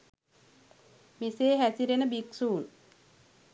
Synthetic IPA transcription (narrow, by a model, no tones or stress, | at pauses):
miseːɦæsiɾenɐbiksuːn